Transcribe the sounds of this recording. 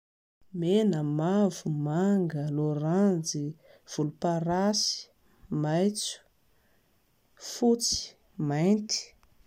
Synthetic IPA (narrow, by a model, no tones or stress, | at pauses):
menəmavumaŋɡəloɾand͡zi | v̥ulupaɾasi̥ | majt͡su̥ | fut͡si̥ | majnt̪i̥